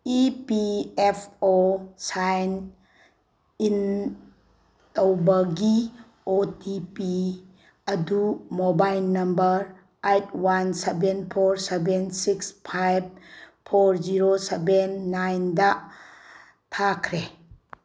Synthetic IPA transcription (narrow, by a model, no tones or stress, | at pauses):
ipiepʰosajn | in | towbɐɡi | otipi | ɐdumobajlnɐmbəɾ | ejt̚ʰwansebenpʰoɾsebensikspʰajb̚pʰoɾd͡ʒiɾosebenːajnda | tʰakʰɾe